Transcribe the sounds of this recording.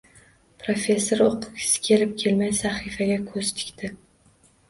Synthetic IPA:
pʰɾofʲe̞sːoɾoqʰʊ̥kʲʰɪ̥sɪ̥kʲʰe̞lɪp̚kʲʰe̞lmajsaχifaɡʲakʰɵz̥t̪ʰɪ̥kʲt̪ʰɪ

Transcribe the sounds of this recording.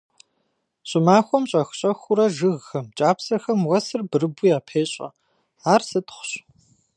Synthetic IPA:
ɕʼɪmaːxʷɔmɕʼɐxɕʼɐxʷʊɾɐʒɨɣːɐmt͡ʃʼaːpsɐxɐmwɐsɨrbɨɾɨbʊjaːpʰeːɕʼɐ̰ | aːrsɨtʰχʷʊ̥ɕ

